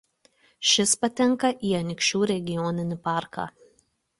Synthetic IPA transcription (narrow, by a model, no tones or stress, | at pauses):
ʃʲɪspɐt̪ʲɛŋˑkɐʔiːɐnʲkʲʃʲuːɾʲɛɡʲɪjɔːnʲɪnʲɪpɑːˑɾkɑ̰ː